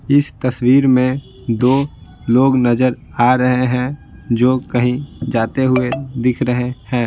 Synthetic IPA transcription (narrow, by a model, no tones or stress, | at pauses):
ɪst̪ɐswiːɾmẽ | d̪oː | loːɡnɐzəɾ | aːɾɐɦeɦɛ̃d͡ʒoːkɐɦĩd͡ʒaːt̪eɦʊed̪ɪkʰɾəɦehɛ̃ː